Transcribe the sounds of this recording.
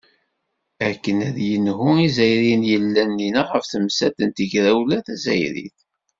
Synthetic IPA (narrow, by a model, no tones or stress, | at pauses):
ækːənæðjənhʊizæjɾinjəlːænːinaʁəfθəmsæt̪ənt̪əʝɾæwlæθæzæjɾḭθ